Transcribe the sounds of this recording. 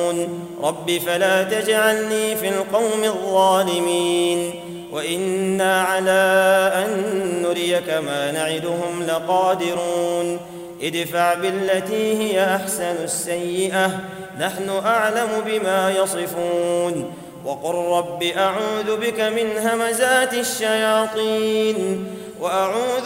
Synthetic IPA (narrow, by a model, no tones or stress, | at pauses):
n | ɾˤʔɑbːifalaːt̪ad͡ʒʕalniːfilqɑwmɪðˤːɑːlɪmiːn | waʔɪnːaːʕalaːʔanːʊɾɪjakamaːnaʕɪd̪ʊhʊmlɪqɑːd̪ɪɾuuːn | ʔɪd̪faʕbɪlːat̪iːhɪjaʔaħsanʊasːajːɪʔa | naħnʊʔaʕlamʊbɪmaːjɑsˤɨfuːn | wɑqʊlːɑbːiʔaʕuːðʊbɪkamɪnhamazaːt̪ʃːajɑːt̪ˤiːn | waʔaʕuː